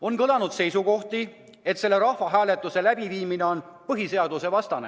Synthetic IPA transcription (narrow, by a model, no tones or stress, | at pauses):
o̞nkɤlɑnud̪̥se̞jsuko̞ht̪i | e̞t̪se̞lːe̞ɾɑhvɑɦæːle̞t̪ːˑuse̞læb̥iviːmine̞o̞npɤɦise̞ɑd̪use̞vɑst̪ɑnḛ